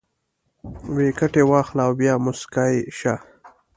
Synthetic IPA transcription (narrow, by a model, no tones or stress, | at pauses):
wekaʈewɑːxlaːwbjɑːmʊskɑeʃa